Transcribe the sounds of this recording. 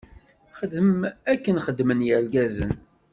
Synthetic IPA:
χəd̪əmækːənχəd̪ːmənjæɾɡæzə̰n

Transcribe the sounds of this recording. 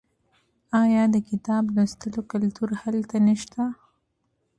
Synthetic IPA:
ɑjɑd̪əkɪt̪ɑblast̪əlokalt̪uɾhalt̪anəʃt̪a

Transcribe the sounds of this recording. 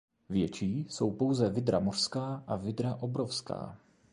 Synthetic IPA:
vjɛt͡ʃiːso̞wpo̞wzɛvɪd̪ɾa̰mor̥skaːʔavɪd̪ɾaʔo̞bɾofska̰ː

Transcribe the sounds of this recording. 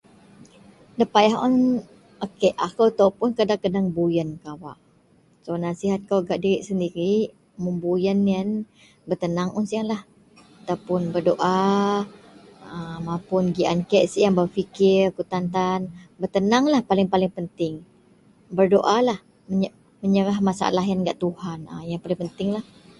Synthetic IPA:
dəpajaɦɔn | okeʔakawt̪awpʊnkədakədaŋbujənkawa̰ʔ | sonasiɦat̪̚kawɡaʔdiɾiʔsəndiɾi | mumbujənːiən | bərt̪ənaŋʔunsiaŋlah | t̪awpʊnbərdoʔa | əmapʊnɡiʔa̰nkɛʔsijaŋbawfikɪrkut̪ant̪anbərt̪ənaŋlahpalɪŋpalɪŋpənt̪ɪŋ | bərdoʔalah | mə | məɲəɾaɦmasa̰a̰laɦjanɡa̰ʔt̪uhanə̰jaŋpalɪŋpənt̪ɪŋlah

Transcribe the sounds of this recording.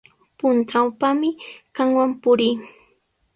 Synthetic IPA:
pʊnt̪awpamɪkaŋwampʊɾiː

